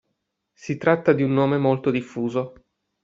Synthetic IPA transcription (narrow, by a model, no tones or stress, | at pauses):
sit̪ɾat̪ːad̪iunːoːmemolt̪od̪ifːuːzo